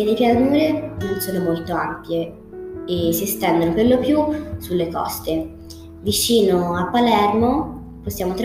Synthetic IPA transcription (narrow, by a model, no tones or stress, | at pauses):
ed̪ejpjanuːɾenonsoːnomolt̪oampje | esiest̪ɛnd̪onoperlopːjusulːekɔ̰st̪e | vit͡ʃiːnoapːalɛrmo | posːjaːmot̪ɾ